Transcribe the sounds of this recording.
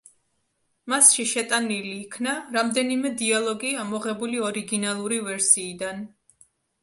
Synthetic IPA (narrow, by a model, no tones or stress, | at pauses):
masʃiʃɛt̪ʼaniliːkʰnaɾamd̪ɛnimɛd̪ialˠɔɡiamɔʁɛbuliɔɾiɡinalˠuɾivɛɾsiːd̪an